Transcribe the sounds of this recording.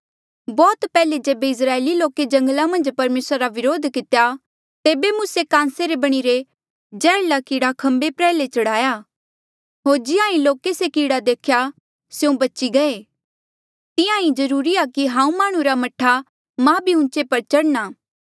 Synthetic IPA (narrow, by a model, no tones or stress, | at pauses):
bɔːt̪pɛːled͡ʒeːbeɪs̬ɾaːeːliloːked͡ʒɐ̃ŋɡlamɐ̃nd͡ʒpɐɾmeːsɾaɾaʋɪɾoːd̪ʱkɪt̪eja | t̪eːbemʊsekãːnseɾebɐɽ̃iɾe | d͡ʒɛːlakiːɽakʰɐ̃mbepɾɛːlet͡ʃɐɽaːjaː | ɦoːɾd͡ʒɪãːĩloːkesekiːɽad̪eːkʰja | sjõbɐt͡ʃiɡɐe | t̪ɪ̃jãĩd͡ʒɐɾuːɾiakiɦãːũmaːɽ̃ũɾamɐʈʰːa | mãbʱiʊ̃nt͡ʃepɐɾt͡ʃɐɽnaː